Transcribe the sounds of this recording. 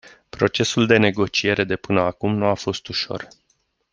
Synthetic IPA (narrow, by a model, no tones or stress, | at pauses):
pɾo̞t͡ʃe̞suld̪e̞ne̞ɡo̞t͡ʃie̞ɾe̞d̪e̞pɨnəakumnuafo̞st̪uʃo̞̰r